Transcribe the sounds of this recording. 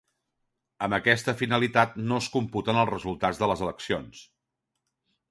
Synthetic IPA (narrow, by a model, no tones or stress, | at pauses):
əmbəkɛst̪əfinəlit̪at̪̚noskumput̪ənəlˠrəzulˠt̪ad͡zðələzələksions